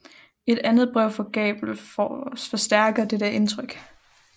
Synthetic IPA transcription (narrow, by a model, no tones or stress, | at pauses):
e̝d̥ænð̞̩ˠb̥ʁœʊ̰fɒ̽ɡ̥ɛ̰ːb̥l̩ | fɒ̽sd̥æɐɡ̥ɐd̥ed̥æɐe̝nt͡sʰʁœɡ̥